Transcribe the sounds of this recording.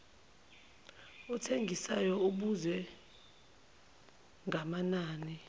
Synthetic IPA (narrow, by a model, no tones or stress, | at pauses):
ɔtʰeŋɡʱisajɔuɓuzɛ | ŋʱamanaːni